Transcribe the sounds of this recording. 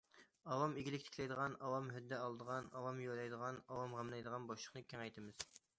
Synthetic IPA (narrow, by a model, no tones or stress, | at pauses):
ɑwɑmeɡʲilɪkʲt̪ʰɪ̥kʰʲlɛjd̪əʁɑnɑwɑmɦød̪ːɛɑlˠd̪əʁɑnɑwɑmjolˠɛjd̪əʁɑnɑwɑmʁæmlɛjd̪əʁɑnbɑʃlˠəχnɨkʲʰɛŋɛjt̪ʰɪmɪz̥